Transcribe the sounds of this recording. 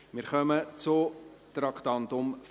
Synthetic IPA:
mɪɾχœmət͡sʊt̪ɾɑkʰt̪ɑnt̪ʊmf

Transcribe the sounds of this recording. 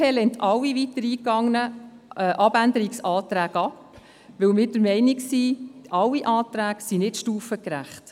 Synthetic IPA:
ɛlɛntʰɑwːiʋitəɾiːkɑŋnə | ʔɑb̥ændəɾiksɑːtɾæːɡɑp | ʋɵwmɪːɾd̥əɾmɛɪniksiʔɑwːiʔɑːtɾæːksinɪtʃtuːfəkɾæ̰χt

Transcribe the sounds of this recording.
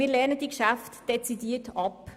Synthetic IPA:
miːɾlɛɐnəd̥ikʃaftd̥et͡sidiːətɑp

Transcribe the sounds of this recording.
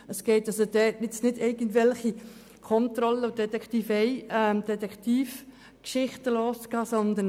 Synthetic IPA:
əsɡ̥eɪtɑsəd̥ɛtnɪt͡snɪdɛɪɡ̥əndʋɛlχi | kʰɔnt̪ɾɔləʊdɛt̪ɛktifeɪɛmd̥ɛt̪ɛkt̪iːf | kʃɪχtəlɔːskɑːsɔnd̪ən

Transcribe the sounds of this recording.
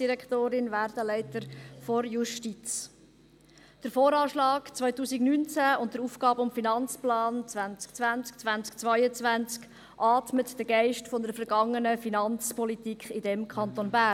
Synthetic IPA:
d̥iɾɛkt̪oːɾɪnʋæːɾdəlɛɪt̪əɾfɔɾjuʃtit͡s | d̥əɾfoːɾɑːʃlɑːkt͡sʋœʏtuːsiɡnynt͡sæʊntdəɾuːfɡ̥ɑːbəʊmfinɑnt͡splɑːnt͡sʋænt͡skt͡sʋænt͡skt͡sʋænt͡skt͡sʋœjət͡sʋænt͡sk | ʔɑːtmətd̥əɡɛɪʃtfɔndəɾfəɾɡɑŋːənəfinɑnt͡spɔlitikʰχɪdɛmkʰɑnt̪onbæ

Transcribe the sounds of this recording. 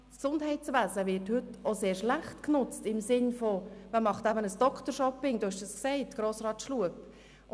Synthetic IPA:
sksʊndɦɛɪtsʋæːzəʋɪɾthʏtoseːɾʃlæχtknʊt͡stɪmsɪnfomæmɑχtæbənəsd̥ɔkʰtəɾʃɔpɪŋd̥oʊhɛʃdusksɛɪtɡ̥ɾoːsrɑːtʃluəp

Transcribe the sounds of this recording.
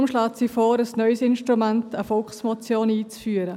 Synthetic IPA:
mʃlaːtsifoːɾəsnœʏsɪnʃtɾumɛntəfɔlkχsmot͡sjoːniːt͡sfyːəɾə

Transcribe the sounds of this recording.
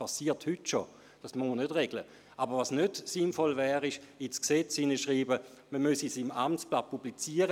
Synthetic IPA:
pasiːɐthytʃo | d̥asmomənødʁɛɡ̥lə | ʔabəʁvasnødsinfɔlvɛːʁɪʃɪsksɛt͡sɪnəʃʁiːbə | məmøsisimamtt͡splapːublit͡siːəʁə

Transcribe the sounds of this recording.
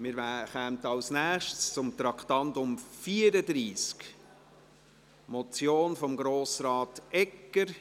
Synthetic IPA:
mɪːɾʋχɛmtɑlsnæːχʃtst͡sʊmt̪ɾɑktɑntʊmfiːəɾəd̪ɾiːsk | mɔt͡sjoːnfɔmɡɾoːsɾɑːtɛkːəɾ

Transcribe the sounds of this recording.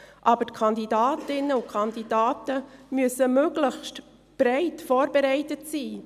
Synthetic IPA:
ʔɑbəɾtkʰɑndidɑːtɪnːəʊkʰχɑndid̥ɑːtəmyəsəmøɡləçst | b̥ɾɛɪtfoːɾbeɾɛɪtətsiː

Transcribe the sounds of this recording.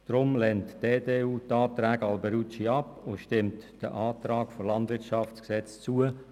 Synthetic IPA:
d̥ɾʊmlɛntd̥eːdeːuːtɑːt̪ɾæːɡɑlbəɾut͡ʃiɑpoʃtɪmtd̥əʔɑːt̪rɑːkfɔlɑndʋɪrt͡ʃɑft͡sksɛt͡st͡suə

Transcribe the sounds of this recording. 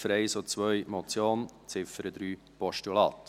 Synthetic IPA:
fəɾɛɪsot͡sʋœjmɔt͡sjoːnt͡sɪfəɾəd̪ɾyː | pɔʃtulɑːt

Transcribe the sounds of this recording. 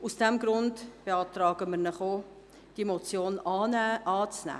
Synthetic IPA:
usd̥ɛmɡɾʊndb̥eɑːtrɑːɡəməɾnəχo | d̥iemot͡sjoːnɑɛʔɑːt͡snæ̰ː

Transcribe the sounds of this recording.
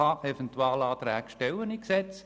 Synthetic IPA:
ɑʔɛfɛnt̪uɑːlɑːt̪ɾɛːɡʃtɛləniksɛt͡s

